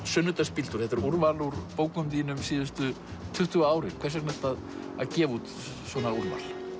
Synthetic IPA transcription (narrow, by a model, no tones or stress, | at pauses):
sʏnːʏt̪aspilt̪ʏɾ̥θɛt̪ɪɾuɾvaluɾpoːwkʏmt̪iːnʏmsiːðʏst̪ʏ | t̪ʰʏht̪ʏɣaaːwɾɪɾ̥kʰvɛɾsɛknɛht̪að | aðcɛːvut̪ | swɔːnauɾva̰l̥